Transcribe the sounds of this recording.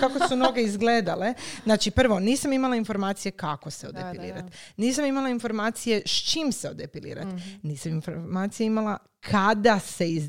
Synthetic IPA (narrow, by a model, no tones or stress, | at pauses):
kakosuno̞ɡe̞izɡleːd̪ale̞znaːt͡ʃipr̩ʋo̞niːsamimalˠainfo̞ɾmaːt̪sije̞kako̞seod̪epilḭːɾat̪niːs̬amimalˠainfo̞ɾmaːt̪sije̞ʃt͡ʃimseod̪epilḭːɾa̰t̪niːsaminfomaːt̪sijeimala | kʰad̪ase̞iz